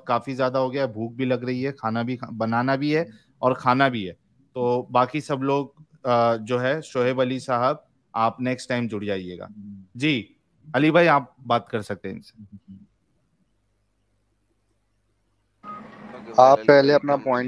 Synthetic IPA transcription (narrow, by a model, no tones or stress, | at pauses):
kaːfizjaːd̪aɦoːɡɐjaɦɛbʱuːk̚bʱilɐɡɾɐɦiɦɛkʰaːnabʱibɐnaːnabʱiɦɛ | ɔːɾkʰaːnabʱiɦɛː | t̪oːbaːkisɐbloːɡ | d͡ʒoːɦɛʃoːɦebɐlisaːɦəb̚ | aːpnɛːksʈaɪmd͡ʒʊɽ̤d͡ʒaːiḛːɡa̰ːd͡ʒiː | ɐlibʱaːiaːp̚baːt̪kɐɾsɐk̚t̪ẽɦɛ̃ɪnse̥ | aːppɛɦleɐpnapɔːɪ̃